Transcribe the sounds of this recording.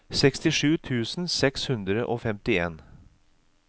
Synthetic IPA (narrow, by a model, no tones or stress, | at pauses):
sɛkst̪ɪʂʉːt̪ʰʉːsn̩sɛkshʉnd̪ɾəʔoːfɛmt̪ɪḛːn